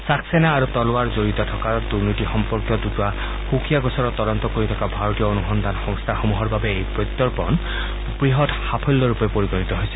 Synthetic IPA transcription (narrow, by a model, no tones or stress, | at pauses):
sakʰsɛnaːɹut̪ɔloaɹzoɹit̪ɔtʰɔkaduɹnitixɔmpɔɹkjɔduta | xukʰijaɡɔsɔɹɔt̪ːɔdɔnt̪ɔkoɹitʰɔkabʱaɹotijɔonuxɔnd̪ʱanxɔŋst̪ʰaxomuɦɔɹbabɛejpɹojt̪ːɔɹpɔ̰n | pɹiɦɔtxapʰɔlːɔɹupɛpoɹikɔɹit̪ɔɦojsɛ̥